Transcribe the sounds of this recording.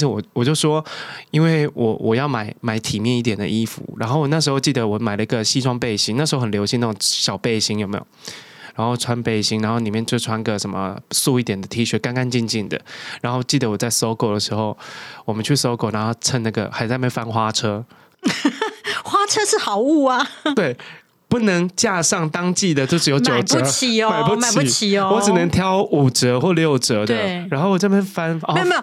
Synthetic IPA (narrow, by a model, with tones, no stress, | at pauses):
ʂ̩˥˩wɔ˨˩wɔ˨˩t͡ɕjo˥˩ʊʂwɔ˦˥i˦nwe˥˩ɪwʔɔ˨˩wʔɔ˨˩jɑ˥˩ʊma˨˩˦ɪma˨˧˩ɪt̪ʰi˨˩mjɛ˥˧ni˥˩t̪jɛ˨˩nd̪ə̰˨ʔi˥fṵ˨˦ɻa̰˧˥nxo˥˩ʊwɔ˨˩na˥˩ʂɻ̩˧xo˧t͡ɕi˥˩d̪ə˩wɔ˨˩ma˨˩ɪlə˦i˥ɡə˨ɕi˥ʈ͡ʂʰwɑ˥ŋpe˥˩ɪɕi˧˥ŋna˥˩ʂɻ̩˧˥xo˥˩xə˨nljo˧˥ʊɕi˥˧na˥˩ʊo˨ŋɕjɑ˨˩ʊpe˥˩ɪɕi˧˥ŋjo˨˩ʊmḛ˧˥jo̰˨˩ | ɻa˧˥nxo˥˩ʊʈ͡ʂʰwa˦npe˥˩ɪɕi˧˥ŋɻa˧˥nxo˥˩ʊni˨˩mjɛ˥˧nt͡ɕjo˥˩ʊʈ͡ʂʰwa˥ni˧ɡə˨ʂə˨˩nmə̰˦su˥˧i˥˩t̪jɛ˨˩nd̪ə˩t̪ʰi˧˥ɕɥɛ˧˥ka˥˦ŋka˥˦ŋt͡ɕi˥˧nt͡ɕi˥˩nd̪ə̰˩ɻa˧˥nxo˥˧ʊt͡ɕi˥˩d̪ə˩wɔ˨˩t͡sa˥˩ɪso˥ʊko˥˩ʊd̪ə˩ʂɻ̩˧˥xo˥˩ʊwɔ˨˩mə˦nt͡ɕʰy˥˩so˥ʊko˨˩na˧˦xo˥˧ʊʈ͡ʂʰə˦na˥˩ɡə̰˩xa˧˥ɪt͡sa˥ɪme˧˥ʊ˨fa˦nxwa˥ʈ͡ʂʰɤ˥ | xwa˥t͡ʃʰɤ˥ʂɻ̩˥˩xɑ˨˩ʊu˥˩a˩t̪we˥˩ɪ | pu˥˩nə˧˦ŋt͡ɕja˥˧ʂɑ˥˩ŋt̪ɑ˥ŋt͡ɕi˥˩d̪ə˩t͡ɕo˥˧ʊʂɻ̩˥jo˧˥t͡ɕjo˨ʊʈ͡ʂə˧˥˦t͡ɕʰi˨˦˧ma˨ɪpu˥ma˨i˧˨˦t͡ɕʰi˨˩˧wɔ˨˦ɻ̩˨nə˧˦ŋt̪ʰjɑ˦˥ʊu˨˩ʈ͡ʂə˧˥xwɔ˥˧ljo˥˨ʊʈ͡ʂə˧˥td̪ə˨˧ɻa˧˦nxo˥˩ʊwɔ˨˩t͡ɕa˥˩me˥˩fa˥nɔ˥e˥˨˧j